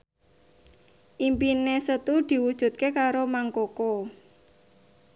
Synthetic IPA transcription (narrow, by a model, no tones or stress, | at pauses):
ʔimpinesət̪ud̪̥i̤wud̥ʒ̥ṳt̪̚kekaɾomaŋkoko